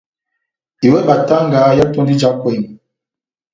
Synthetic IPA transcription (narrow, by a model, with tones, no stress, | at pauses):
i˨wɛ˦ba˨ta˦ŋ˦ɡaː˨˦ja˦tɔ˦ndi˦d͡ʒa˦kwɛ˦˨ŋ˨